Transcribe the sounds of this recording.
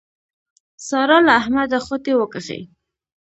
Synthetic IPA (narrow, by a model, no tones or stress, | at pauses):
sɑɾɑlaːhmad̪axot̪ewəkəxḛj